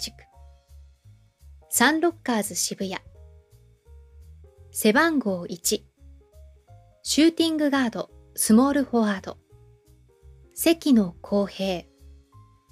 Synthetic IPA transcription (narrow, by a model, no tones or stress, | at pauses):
i̥kɯ̥ | sãnɾo̞kːaːzɨɕibɯ̟ja | se̞bãŋɡo̞ːʔit͡ɕi | ɕɨːt̪ʲĩŋɡɯ̟ɡaːd̪o̞̰ | sɨmo̞ːɾɯ̟ho̞aːd̪o̞ | se̞kʲino̞kʰo̞ːhe̞ː